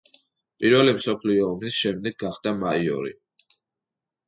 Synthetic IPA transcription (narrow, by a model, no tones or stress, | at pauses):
pʼiɾvɛlimsɔpʰliɔːmisʃɛmd̪ɛɡ̚ɡːaχd̪amaiɔ̰ɾḭ